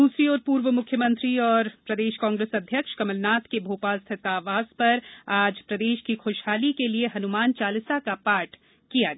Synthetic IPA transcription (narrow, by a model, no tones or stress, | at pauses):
d̪uːsɾiɔːɾpuːɾʋəmʊkʰjəmɐ̃nt̪ɾiɔːɾpɾɐd̪eːʃkãːŋɡɾeːsɐd̪ʱjəkʃkɐməlnaːt̪kebʱoːpaːlst̪ʰɪt̪aːʋaːzpɐɾaːd͡ʒpɾɐd̪eːʃkixoːʃɦaːlikelieɦɐnʊmaːnt͡ʃaːlɪsakapaːɾʈ | kijaɡɐ